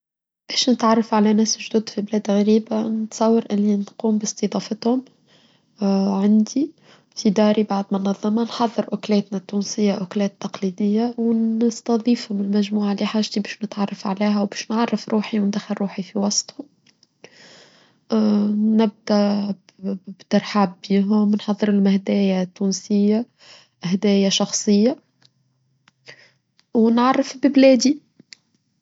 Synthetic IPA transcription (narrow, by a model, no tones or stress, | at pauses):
b̥ɛːʃnɪt̪ʕɑrˤːɑfʕalænɛːsʒd̪uːd̪fiblɛːd̪ɣæɾiːbanɪt̪sˤɑwːɑɾʔɪlːinquːmbɪsˤt̪id̪ˤɑːfɪt̪hʊm | ʕand̪i | fid̪ɑːɾibaʕd̪mʊnɑðˤːɑmɑnħɑðˤːɨɾʔʊklɛːt̪næt̪ːuːnsɪjːaʔʊklɛːt̪ːɑqliːd̪ɪjːawnst̪ɑðˤiːfhʊmɪlmæʒmuːʕaliħaːʒt̪ibɛːʃnɪt̪ʕɑrˤːɑfʕalæːɦæwbɛːʃnʕɑrˤːɑfɾuːħiwnd̪æxɪlɾuːħifiwɑsˤt̪ˤhʊm | nɪb̚d̪æʔ | bt̪ɑɾˤħabːiːɦʊmnħɑðˤːɨɾɪlmɪhd̪æːjat̪ːuːnsɪjːa | ʔɪhd̪æːjaʃɑxsˤɨjːa | wnʕɑrˤːɑfbɪblɛːd̪i